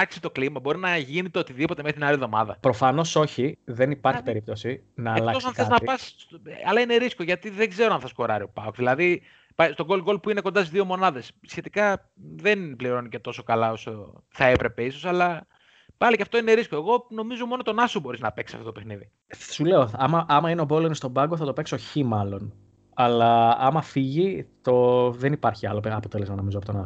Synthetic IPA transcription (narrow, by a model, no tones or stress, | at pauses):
ɐksi̥t̪o̞klimɐbo̞ɾinɐʝinet̪eo̞t̪iðipo̞t̪emext̪inɐliðo̞mɐ̰ðɐ̰pɾo̞fɐno̞so̞çiðenipɐɾçi̥peɾip̚t̪o̞si | nɐːlɐtos̬ɐnθeznɐpɐsɐlɐine̞ɾisko̞ʝɐt̪iðe̞ɡze̞ɾoɐnθɐsko̞ɾɐɾio̞pɐkðilɐði | pɐjst̪o̞ɡo̞lɣo̞lpuine̞kod̪ɐsizðio̞mo̞nɐðe̞sːçe̞t̪ikɐ | ðenpliɾo̞nicet̪o̞so̞kɐlɐo̞soθɐepɾe̞pe̞iso̞sɐlɐ | pɐlicɐft̪o̞ine̞ɾisko̞eɣo̞no̞mizo̞mo̞not̪o̞nɐsobo̞ɾiznɐpe̞ksi̥sɐft̪ot̪opexniði | sule̞oɐmɐʔɐmɐineobo̞loinest̪o̞bɐɡo̞θɐt̪o̞pekso̞çimɐlo̞n | ɐlɐɐmɐfiʝit̪o̞ðenipɐɾçiɐlopɐpo̞t̪e̞le̞zmɐno̞mizoɐpot̪onɐs